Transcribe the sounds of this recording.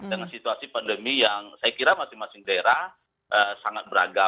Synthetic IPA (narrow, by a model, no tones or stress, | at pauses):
dəŋansit̪uasipandəmijaŋsajakiɾamasɪŋmasɪŋdaɾa | ʔəsaŋat̪̚bəɾa̰ɡa